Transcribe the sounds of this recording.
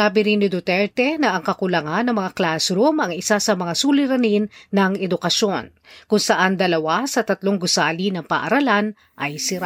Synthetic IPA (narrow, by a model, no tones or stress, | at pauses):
saːbɪɾinːɪd̪ot̪ɛɹt̪ɛnɐʔɐŋkɐkʊlɐŋanːɐŋmɐŋaklasɾʊmɐŋɪsasɐmɐŋasulɪɾɐninːɐŋɛd̪ʊkɐʃo̞n | kʊŋsɐʔand̪ɐlɐwasɐt̪ɐt̪loŋɡʊsaːlinɐŋpa̰ʔɐɾɐlan | ʔɐjsɪɾa